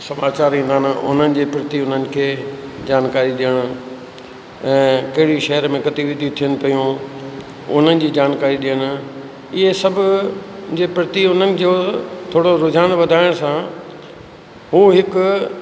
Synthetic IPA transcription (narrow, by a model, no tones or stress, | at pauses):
sɐmaːt͡ɕaːɾĩːnd̪aːnʊ̰n̤ənɪ̆d͡ʑeːpɾɪt̪iʊn̤ənɪ̆kʰeːd͡ʑaːnkaːɾiɗijəɽ̃ʊ̆ | ɛ̃ːkɐɦɪɽiʃɐɦəɾmẽkɐt̪iʋɪd̪ʱiũt̪ʰijənɪ̆pɐjũ | ʊ̰n̤ənɪ̆d͡ʑiːd͡ʑaːnkaːɾiɗijəɽ̃ʊ̆ | ɪɦesɐbʱʊd͡ʑeːpɾɪt̪iʊn̤ənɪ̆kot̪ʰoːɽoɾʊd͡ʑʱaːnd̪ʋɐd̪ʱaːɪɽ̃sã | ɦuːɦɪkʊ